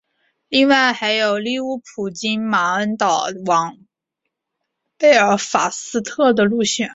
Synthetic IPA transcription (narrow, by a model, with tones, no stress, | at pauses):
li˥˧ŋwa˥˩ɪxa˧˥ɪjo˨˩ʊli˥˧u˥˩pʰu˨˩t͡ɕi˥nma˨˧˥ə˥nt̪ɑ˨˩ʊwɑ˧˥ŋ | pe˥˩ɪə˞˧˥fa̰˨˩sɹ̩˥t̪ʰɤ˥˩d̪ə˩lu˥˧ɕɛ˨˩˦n